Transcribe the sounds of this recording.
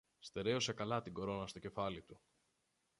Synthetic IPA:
st̪e̞ɾe̞ose̞kɐlɐt̪iɡoɾo̞nɐst̪o̞ce̞fɐlit̪u

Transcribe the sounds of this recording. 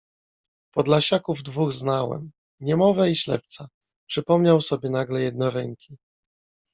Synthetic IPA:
pɔd̪laɕakuvd̪vuɣznawɛ̰m | ɲɛmɔvɛiɕlɛ̰p̚t̪sa | pʂɘpɔmɲawsɔbʲjɛnaɡlɛjɛd̪nɔɾɛŋkʲi

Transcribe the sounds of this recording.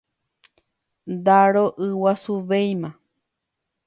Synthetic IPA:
d̪aɾoʔɨwasuʋejmã

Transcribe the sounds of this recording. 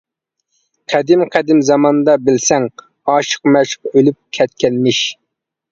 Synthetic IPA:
qʰæd̪ɪmqʰæd̪ɪmzɑmɑnd̪ɑbɪlsɛŋ | ɑːʃə̥qmɛʃqølyp̚kʲʰɛt̪kʲɛlmɪʃ

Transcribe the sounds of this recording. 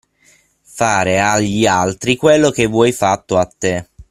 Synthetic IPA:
faːɾeaʎːialt̪ɾikwelːokevːwɔjfat̪ːoat̪ːe

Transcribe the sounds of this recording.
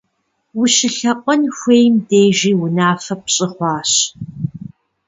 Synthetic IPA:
wʊʃɪɬɐqʷʼɔnxʷeːjmdeːjʒiːwʊnaːfɐp̚ɕʼɪχʷɑːɕ

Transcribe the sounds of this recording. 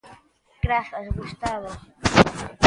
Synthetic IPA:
kɾafazɣust̪aβa

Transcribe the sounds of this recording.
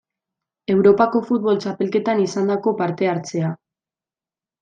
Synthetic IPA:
e̞wɾo̞pako̞fut̪̚βo̞lt͡ʃape̞lke̞t̪anisand̪ako̞paɾt̪e̞aɾt͡se̞a

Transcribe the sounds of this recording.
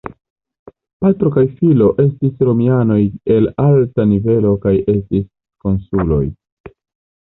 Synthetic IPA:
patɾo̞kajfilo̞ʔe̞stisɾo̞miano̞je̞laltanive̞lo̞kaje̞stis | ko̞nsulo̞̰j

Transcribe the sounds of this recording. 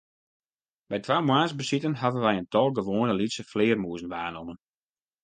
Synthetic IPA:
bɛjtʋaːmwaːnzbəsitənɦadənʋɛjəntɔlˠɡəʋoːnəlitsəflɪːərmuəzənʋaːnɔmən

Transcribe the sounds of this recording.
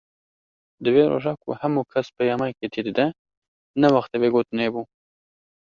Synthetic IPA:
d̪ɨweːɾo̰ʒɑːkʰṵhæmukʰɛspʰəjɑːmɑjket̪ʰid̪ɨd̪ɛ | nɛwɑxt̪ɛbeɡoːt̪ɨneːbu

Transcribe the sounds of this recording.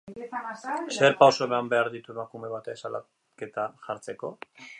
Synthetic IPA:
se̞ɾpawso̞emambe̞aɾðit̪ue̞makume̞βat̪esala̰ | ke̞t̪aʝaɾt͡se̞ko̞

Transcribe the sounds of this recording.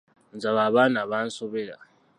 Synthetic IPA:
nd͡zaβaβanaβan̩soβɛla̰

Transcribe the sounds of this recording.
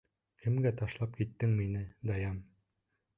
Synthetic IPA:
kʰɘ̆mɡæt̪ɑʃlˠɑp̚kit̪ːɘŋminɘd̪ɑjɑm

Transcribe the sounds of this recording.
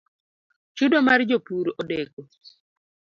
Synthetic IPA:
t͡ʃudomard͡ʒopuɾʔodeko

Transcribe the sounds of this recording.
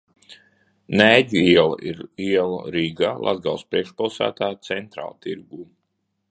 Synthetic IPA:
næːɟuiɛlˠa̰ʔiɾiɛlˠa̰ɾiːɡaːlˠʔa̰zɡalˠspɾiɛkʃpilˠsæ̰ːt̪aːt̪sɛnt̪ɾa̰ːlˠt̪iɾɡuː

